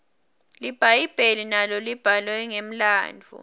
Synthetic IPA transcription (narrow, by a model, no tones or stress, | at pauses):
lib̥ʱajib̥ʱelinalɔlib̥ʱalwɛŋem̩la̰ːnd͡vʱṵ